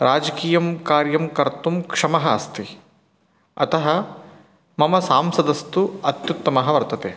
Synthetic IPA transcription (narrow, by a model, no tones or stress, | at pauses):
ɾaːd͡ʒɐkiːjɐmkaːɾjɐmkɐɾt̪umkʂɐmɐɦɐɐst̪i | ɐ̰t̪ɐɦɐ | mɐmɐsaːmsɐd̪ɐst̪uɐt̪jut̪ːɐmɐɦɐʋɐɾt̪ɐt̪eː